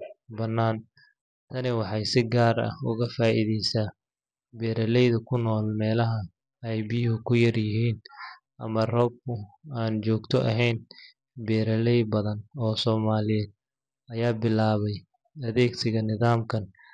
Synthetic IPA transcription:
bɐnːaːn | t̪ʰɐnɪwɑħɑjsɪɡaːɾɐ̰hʊɣɐfaːʔḭðɛjsaː | bɛːɾɐlɛjðɐkʰʊnɔːlmɛːlɐɦɐ | ɛjbiːɦʊkʰʊjɐrjɪɦiːn | ʔɐmɐrɔːb̚kʰʊaːnt͡ʃɔːɡt̪ʰɔʔɐɦɛjn | bɛːɾɐlɛjbɐðɐnɔːsɔːmaːlɪjɛːd̪̚ | ɐjaːbɪlaːβɛj | ɐðɛːɡsɪɣɐnɪðaːmkʰɐn

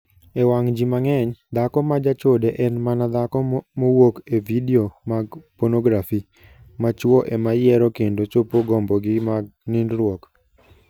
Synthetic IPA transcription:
ewaŋd͡ʒimaŋɛɲd̪akɔmad͡ʒat͡ʃodeʔɛnmanad̪akɔmowokevideomaɡponoɡɾafi | mat͡ʃwɔʔemajɛɾɔkendot͡ʃopoɡɔmbɔɡɪmaɡnindɾwɔk

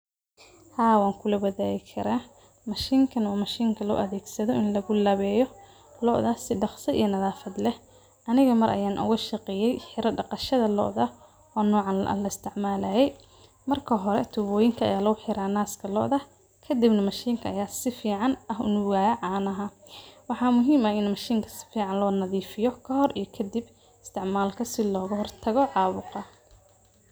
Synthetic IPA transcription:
haːwaːŋkʰʊlɐbɐðaːɣɪkʰɐɾaː | mɐʃiːŋkʰɐnɔːmɐʃiːŋkʰɐlɔ̰ːʔɐðɛːɡsɐðɔʔɪnlɐɣʊlɐβɛːjɔ | lɔʔðɐsɪɖɑχsɐḭjɔnɐðaːfɐd̪lɛh | ʔɐnɪɣɐmɐɾʔɐ̰jaːnʔʊ̰ɣɐʃɑqɛjɛjħɪɾɐɖɑqɑʃɐðɐlɔ̰ʔðɐ | ɔːnɔːʕɑn̰lɐɪst̪ʰɪʕmaːlɐːjɛj | mɐrkʰɐɦɔɾɛ̰t̪ʰʊβɔːjɪŋkʰɐɐ̰jaːlɐɣʊħɪɾaːnaːskʰɐlɔ̰ʔðɐh | kʰɐd̪ibnɐmɐʃiːŋkʰɐːjaːsɪfiːʕɑnɐɦʊ̰nʊɣaːjɐʕɑːnɐɦɐ | wɑħɑːmʊɦiːmɐɪnmɐʃiːŋkʰɐ̥sɪ̥fiːʕɑnlɔːnɐðiːfɪjɔkʰɐhɔrʔḭjɐkʰɐd̪ib | ɪst̪ʰɪʕmaːlkʰɐsɪlɔːɣɐhɔrt̪ʰɐɣɔʕɑːβʊqɐ

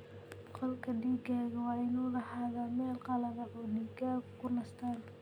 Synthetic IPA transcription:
qɔlkʰɐɖiːɡaːɣɐwɑːʔɪnuːlɐhaːðaːmɛːlqɑlɐðɐʔɔːɖiːɡaːɣʊkʰʊnɐst̪ʰaːn

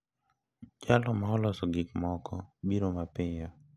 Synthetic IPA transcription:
d͡ʒalɔmaɔlɔsɔɡɪkmɔkʰɔbiɾomapɪɲɔ

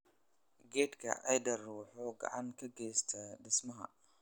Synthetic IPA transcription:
ɡɛːd̪kʰɐ̰ʔɐjd̪ɐruːħɔɡɑ̰ʕɑŋkʰɐɡɛjst̪ʰɐɖɪsmɐɦɐ̰

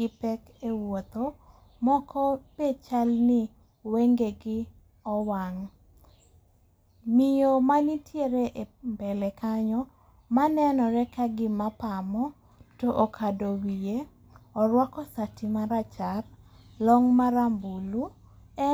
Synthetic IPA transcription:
ɡɪpɛk | ewot̪o | mɔkɔpet͡ʃalnɪ | weŋɡeɡɪ | ɔwaŋ | mijomanitjeɾeʔebɛlɛkaɲɔ | manɛnɔɾɛkaɡɪmapamɔ | toʔokʰadowije | ɔɾwɔkɔsatimaɾat͡ʃar | lɔŋmaɾambulu | ɛ

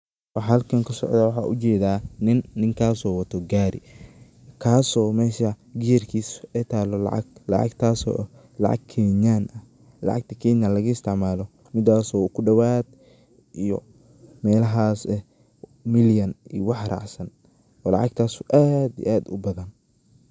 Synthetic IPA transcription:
wɑħhɐlkʰɐŋkʰɐsɔ̰ʕd̪aːwɑħɑ̰ːʔʊt͡ʃɛːðaːnɪnːɪŋkʰaːsɔːwɐt̪ʰɔɡaːɾɪ̰ | kʰaːsɔːmɛːʃɐ | ɡɪjɐrkʰiːsɛːt̪ʰaːlɔlɑ̰ʕɑ̰ɡlɑ̰ʕɑ̰ɡt̪ʰaːsɔ̰ːʔ | lɑ̰ʕɑ̰ɡ̚kʰɛːɲaːnɐ | lɑ̰ʕɑ̰ɡ̚t̪ʰɐkʰɛːɲaːlɐɣɐɪst̪ʰɪʕmaːlɔ | mɪd̪aːsɔːkʰʊɖɐwaːd̪̚ | ʔijɔ | mɛːlɐɦaːsɛ | mɪljɐniːwɑħrɑ̰ʕsɐn | ɔːlɑ̰ʕɑɡt̪ʰaːsuʔaːd̪ḭʔaːd̪ʊbɐðɐn

